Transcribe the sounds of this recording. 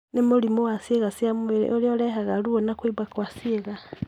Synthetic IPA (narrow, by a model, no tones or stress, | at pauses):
nemulimuwasieɣasiamḛolioleɦaɣaluonakwiβwakwasieɣa